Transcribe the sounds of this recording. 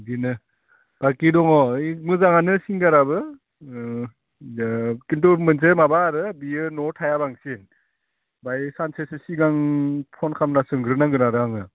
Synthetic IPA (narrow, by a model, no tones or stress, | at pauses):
dinɯ | b̥akidɔŋɔjmɯzaŋanɯsiŋɡaɾabɯ | kintumɯns̬emabaɾɯbiɯnɔtʰajabaŋsen | bajsansʰesesiɡaŋpʰɔnkʰamnasɯŋɡɾɯnaŋɡɯnaɾaŋɯ